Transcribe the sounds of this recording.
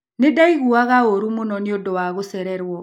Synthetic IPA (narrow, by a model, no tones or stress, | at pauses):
nedaiɣuaɣaoɾumonɔneodowaɣosɛɾɛɾwɔ